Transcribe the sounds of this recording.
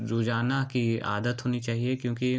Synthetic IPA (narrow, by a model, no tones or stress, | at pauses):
ɾoːd͡ʒaːnakia̰ːd̪ət̪ɦoːnit͡ʃaːɦiekjõːki